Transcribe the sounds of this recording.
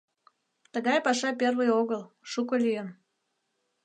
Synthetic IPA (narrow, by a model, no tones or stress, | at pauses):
t̪əɣɑjpɑʃɑpʲervɨjoɣəlˠ | ʃukəlʲyjən